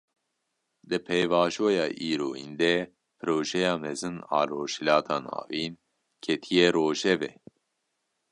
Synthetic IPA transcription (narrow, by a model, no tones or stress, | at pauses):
d̪ɨpʰɛjvɑːʒoːjɑːʔiːɾoːḭnd̪ɛ | pʰɨɾoːʒɛjɑːmɛzɨnɑ̰ːɾoːʃilɑːt̪ʰɑːnɑ̰ːviːn | kʰɛt̪ʰijɛɾoːʒɛvɛ̰